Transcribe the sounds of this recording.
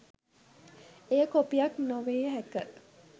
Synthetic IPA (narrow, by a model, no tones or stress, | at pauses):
ejəkopijaknoʋeːɦækə